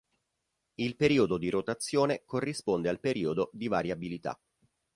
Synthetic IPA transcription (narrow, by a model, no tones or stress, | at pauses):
ilpeɾiːod̪od̪iɾot̪at̪sːjoːnekorːispond̪ealpeɾʔiːod̪od̪ivaɾjabilit̪a̰